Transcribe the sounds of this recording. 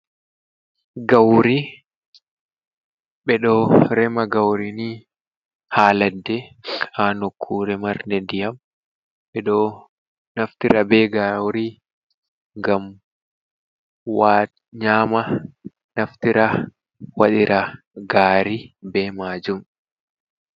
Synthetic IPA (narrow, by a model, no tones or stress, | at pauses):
ɡɐwɾi | ɓɛɗoːɾɛmɐɡɐwɾini | haːlɐd̪ːɛhaːnɔkʰːuːɾɛmɐɾnɛd̪ɪjɐm | ɓɛᶑoː | nɐft̪ɪɾɐbeːɡawɾi | ɡɐm | waː | ɲaːmɐ | nɐft̪ɪɾɐ | wɐᶑɪɾʔɐ | ɡaːɾibeːmaːd͡ʒʊŋ